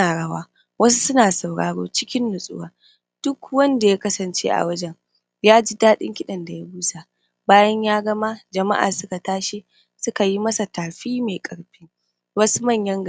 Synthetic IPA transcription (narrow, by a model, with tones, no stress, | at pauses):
aː˨ɽɐ˦waː˦ | wɐ˦su˦sʊ˦naː˨sa˨wɽa̰ː˨ɽo̰ː˦t͡ʃɪ˦kʲɪ˦nːʊ˨sʼʊ̰˦waː˦ | d̥ʊ˦kwɐ˦nda˨ja˦kɐ˦sɐ˨nt͡ʃḛ˦ʔa̰˨wɐ˦d͡ʒɛ˨ŋ | jaː˦d͡ʒi˦daː˦ɗɪ̰˦ŋkʲɪ˦ɗɐ˨nda˨ja˦buː˦sa˨ | baː˦jɐ˦ɲjaː˦ɡɐ˦ma˦d͡ʒɐ˨ma̰˦ʔa̰ː˨sʊ˦ka˨taː˦ʃi˦ | sʊ˦ka˨ji˦mɐ˦sa˨taː˨ɸiː˦me˨kʼɐ˨ɽɸɪ˦ŋ | wɐ˦su˦mɐ˦˨ɲjɐ˦ŋɡ